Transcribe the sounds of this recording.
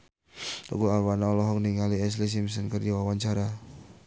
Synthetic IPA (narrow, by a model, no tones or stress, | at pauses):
dɔ̰ɡuawanaɔlɔɦɔk̚niŋaliɛs̬lis̬ims̬ənkərd͡ʒawawaɲt͡ʃaɾa